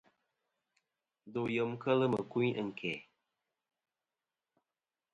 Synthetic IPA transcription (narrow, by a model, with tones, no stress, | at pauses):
d̪o˨jə˨mkə˦lə˦mə˨ku˦jʔə˨ŋ˨ke˨